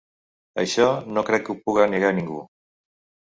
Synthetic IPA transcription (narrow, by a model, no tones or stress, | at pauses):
ajʃonokɾekupuɣaneɣaniŋɡṵ